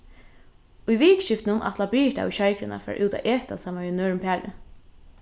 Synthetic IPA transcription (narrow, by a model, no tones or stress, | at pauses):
ʊjʋiːkʃɪft̪nʊnʔa̰t̪labi̥ːt̪a̰ʊjɕajkɾɪna̰fa̰ɾʔuːt̪a̰ʔɛːt̪a̰saːmaʋinœːɹɪmpʰæːɾɪ̰